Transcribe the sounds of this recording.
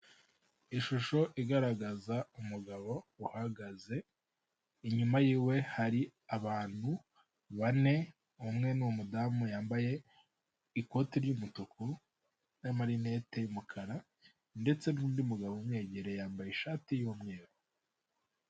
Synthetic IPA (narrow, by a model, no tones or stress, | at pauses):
iʃuʃo̞ʔiɡaɾaɡazaumuɡaβo̞uhaɡaze̞ | iɲumajiːwe̞haɾiaβaːn̥hu | βane̞ | umŋe̞nuwomudamujaːmbaje̞ | iko̞tiɾjumutukʰu | namaɾine̞te̞jumukʰaɾa | nde̞t͡se̞nuːndiumuɡaβoumŋe̞ːɟe̞ɾe̞jaːmbajeʃaːtijomŋe̞ːɾo